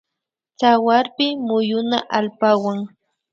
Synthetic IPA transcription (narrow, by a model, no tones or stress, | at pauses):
t͡sawaɾpɪmʊjʊnaʔalpawaŋ